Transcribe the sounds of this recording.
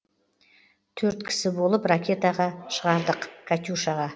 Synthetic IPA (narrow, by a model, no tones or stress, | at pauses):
t̪ʰɵɾt̪kʲʰɪ̥sɪbo̞lˠəprakʲe̞t̪ɑʁɑʃəʁɑɾd̪əqkʰat̪ʲuʃɑʁɑ